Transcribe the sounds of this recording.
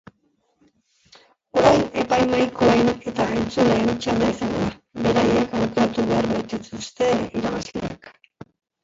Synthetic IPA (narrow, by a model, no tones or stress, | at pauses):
o̞ɾajne̞pajmajkʰo̞e̞ne̞t̪aɣajnt͡suleent͡ʃald̪aisaŋɡoðaβe̞ɾaje̞kawke̞ɾat̪uβe̞aɾβajt̪et̪ust̪e̞iɾaβazlea̰k